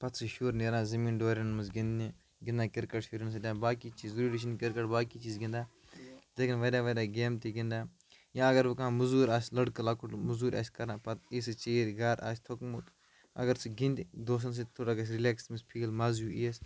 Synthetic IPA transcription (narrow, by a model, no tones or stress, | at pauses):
pɐt̪sʰɨʃuːɾneːɾãːzɐmiːnɖoːɾʲɐnmɐsɡĩnd̪ni | ɡɪnd̪aːkɪɾkəʈʃuːɾɐns̬ɐd̪ʲãːbaːkiːt͡ʃiːzɾiːɖiʃ̬inkɪɾkɐʈbaːkiːt͡ʃiːzɡĩnd̪aː | d̪ekʰinʋɐɾʲaːʋɐɾʲaːɡeːmt̪iɡĩnd̪aː | jãːɐɡɐɾʋukãːmɐzuːɾʲaːsʲlɐɽkɐlaːkuʈmɐzuːɾʲa̰ːsʲkɐɾnãːpɐt̪iːsɨt͡ʃeːɾʲɡaːɾa̰ːsʲt̪ʰokmut̪ | ɐ̰ɡɐɾsʰiɡĩnd̪id̪oːs̬ɐns̬ɐt̪ʰoːʈaɡɐs̬ɾileːksmispʰiːlmazjuːiːɐs